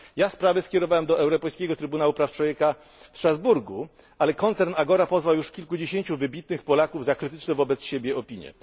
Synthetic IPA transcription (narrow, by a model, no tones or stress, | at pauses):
jaspɾavɘskʲɛɾɔvawɛmd̪ɔʔɛwɾɔpɔjskʲeɡɔt̪ɾɘbunawupɾaft͡ʂwɔvjɛka | fst̪ɾazbuɾɡu | ʔalɛkɔnt̪sɛɾnaɡɔɾapɔzvawjuʂkʲilkud͡ʑeɕeɲt͡ɕuvɘbʲit̪̚nɘxpɔlakuvzakɾɘt̪ɘt͡ʂnɛvɔbɛt̪sɕebʲjɛɔpʲiɲjɛ̰